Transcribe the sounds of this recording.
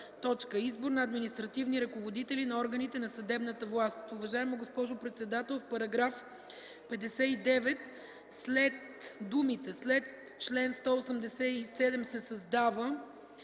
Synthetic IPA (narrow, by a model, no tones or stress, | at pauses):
t̪ɔt͡ʃkəizbʊɾnɐːd̪minist̪ɾɐt̪ivniɾɐkovod̪it̪ɛlinɐɔɾɡənit̪ɛnɐsɐd̪ɛbnət̪əvlˠast̪ʊvɐʒaɛməɡospɔʒʊpɾɛt̪sɛd̪at̪ɛlˠfpɐɾɐɡɾaf | pɛd̪ɛsɛid̪ɛvɛt̪̚ | slɛt̪ | d̪umit̪ɛslɛt̪ | t͡ʃlɛnst̪ɔosəmd̪ɛsɛisɛd̪ɛmsɛsɐzd̪avə